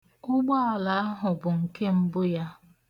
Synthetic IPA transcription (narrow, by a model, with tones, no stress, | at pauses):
ʊ˦ɡ͡ba˦a˨la˨˦a˦ɦʊ˨bʊ˨ŋ̩˨ke˦m̩˦bʊ˦ja˦